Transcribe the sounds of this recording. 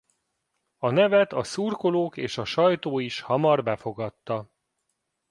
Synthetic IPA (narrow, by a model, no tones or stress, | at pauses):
ɒnɛvɛt̪ɒsurko̞loːkeːʃɒʃɒjt̪oːiʃhɒmɒrbɛfo̞ɡɒt̪ːɒ